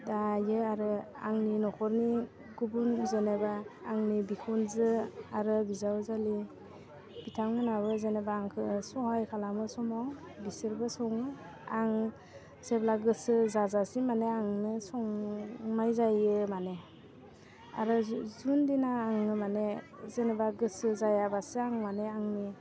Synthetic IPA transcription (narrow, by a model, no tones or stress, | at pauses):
dajɯaɾɯ | a̰ŋninɔkʰɔɾmi | ɡubunzɯnebaːŋnibikʰɔnzɯaɾɯbizawzali | b̥itʰaŋmɯnaβɯzenebaːŋkʰɯsɔhajkʰalamɯsɔmɔw | bisɯɾbɯsɔŋ | aŋ | seblaɡɯsɯzazasimaneaŋnɯsɔŋmajzajɯmane | a̰ɾɯzundinaːŋnɯmane | zenebaɡɯsɯzajabasɯaŋmaneaŋni